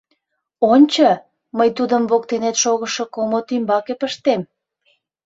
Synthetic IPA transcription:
onʲt͡ɕə | məjt̪ud̪əmβok̚t̪enet̪ʃoɣəʃokomot̪ymbɑkepəʃt̪em

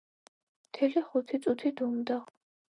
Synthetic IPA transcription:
mt̪ʰɛliχut̪ʰit̪sʼut̪ʰid̪umd̪aʁ

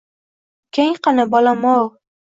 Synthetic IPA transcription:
kʲʰeŋqɑnabɒlamow

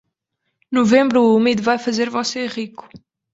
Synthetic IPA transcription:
nuvẽmbɾuumiðuvajfɐzeɾvɔseʁiku̥

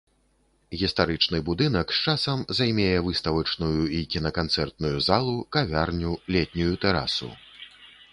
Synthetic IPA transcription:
ɣʲist̪aɾɨt͡ʂnɨbud̪ɨnɐkst͡ʂasɐmzajmʲɛjɛvɨst̪ɐvɐt͡ʂnujuikʲinɐkant̪sɛrt̪̚nujuzalˠukavʲarnʲulʲɛt̪ʲnʲujut̪ɛɾa̰sṵ

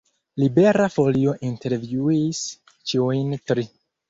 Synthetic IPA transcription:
libe̞ɾafo̞lio̞ʔinte̞ɾvjuis | t͡ʃiujntɾi

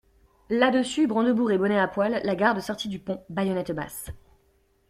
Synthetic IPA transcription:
lad̪əsybʁɑ̃d̪əbuʁebɔnɛapwalːaɡaʁd̪əsɔʁt̪id̪ypɔ̃bajɔnɛt̪ba̰s

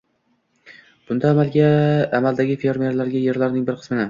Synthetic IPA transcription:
b̥ʊnd̪aːmalɡʲaːmald̪aɡʲɪfe̞ɾme̞ɾlaɾɡʲaje̞ɾlaɾnɪŋbɪɾqʰɨ̥smɪnɪ

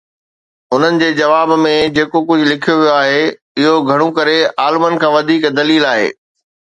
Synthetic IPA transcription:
ʊn̤ənɪ̆d͡ʑeːd͡ʑɐʋaːbmẽd͡ʑeːkokʊd͡ʑʱʊlɪkʰijoʋijoaːɦe | ɪɦoɡʱɐɽ̃ũkɐɾeaːlmənɪ̆kʰãːʋɐd̪ʱiːkd̪ɐliːlaːɦḛː

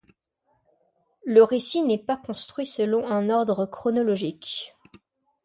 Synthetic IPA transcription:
ləʁesinɛpakɔ̃st̪χɥisəlɔ̃ɛ̃nɔʁd̪ʁəkχɔnɔlɔʒik

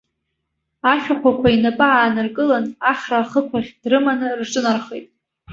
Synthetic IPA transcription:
aʃʲᶣaχʷakʷʰainapʼɨʕaːnarkʼɨlanaχʲraːχəkʷʰaχʲdrɨmanɨrʈ͡ʂʼɨnarχḛjtʼ

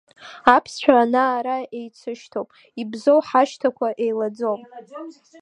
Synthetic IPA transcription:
apʰst͡ɕʷᶣʰaːnaːɾae̞jt͡sʰɨʃtʰowpʼ | ibzowħaʃtʰakʷʰaʔe̞jlad͡zowpʼ

